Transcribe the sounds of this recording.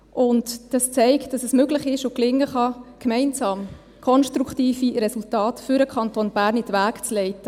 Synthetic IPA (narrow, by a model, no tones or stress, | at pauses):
ʔʊntd̥ɑst͡sɛɪktd̥ɑsɛsmøɡlɪχɪʃʊklɪŋːəχɑkmɛɪnsɑːm | kʰɔnʃtɾuktiːfirɛsultɑːtfʏɾəkʰχɑntonb̥æːɾnitʋæːkt͡slɛɪtə